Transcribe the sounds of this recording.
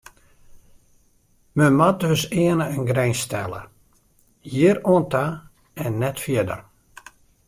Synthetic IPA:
məmadøsɪənəənɡrɛjnstɛlˠə̰ | jiəɾoənta | ɛnːɛtfjɪədə̰r

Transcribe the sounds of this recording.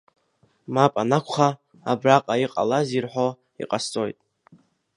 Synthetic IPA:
mapʼanakʷʰχaː | braqʼaiqʼa̰lazirħo | ḭqʼast͡sʼo̞jtʼ

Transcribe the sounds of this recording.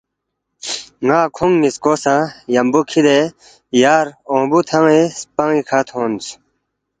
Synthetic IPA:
ŋaːkʰoŋniskoːsãːjambukʰid̪e | jaːɾõːbut̪ʰaŋespaŋikʰat̪ʰõːnt͡sʰ

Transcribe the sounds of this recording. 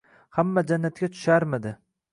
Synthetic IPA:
hamːad͡ʒanːat̪̚kʲat̪ʰʊ̥ʃaɾmɪd̪ɪ

